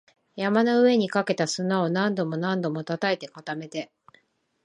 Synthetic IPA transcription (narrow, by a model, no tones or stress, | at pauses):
jamanoɯ̟e̞ɲ̟ikake̞t̪asɨnao̞nãnd̪o̞mo̞nãnd̪o̞mo̞t̪at̪ae̞t̪e̞kat̪ame̞t̪e̞